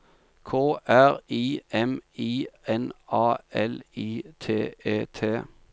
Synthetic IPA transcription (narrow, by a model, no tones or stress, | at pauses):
kʰoːʔæʁiːɛmiːɛnʔɑːɛliːt̪ʰeːeːt̪ʰeː